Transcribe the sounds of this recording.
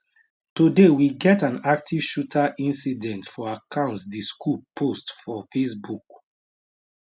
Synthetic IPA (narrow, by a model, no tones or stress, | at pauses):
tudewiɡɛtãnak̚tʰiv̥ʃutʰaʔĩnsidɛ̃ntfɔakʰãʊ̃ntsdiskʰupʰostfɔfesbuk